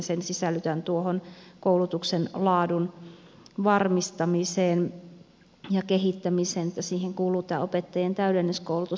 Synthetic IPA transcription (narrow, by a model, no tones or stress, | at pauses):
nsensisælːyt̪ænt̪uohonkoulut̪uksenlɑːdun | ʋɑrmist̪ɑmiseːn | jɑkeɦit̪ːæmiseːnet̪ːæsiːheŋkuːluːt̪æːopet̪ːɑjent̪æydenːiskoulut̪u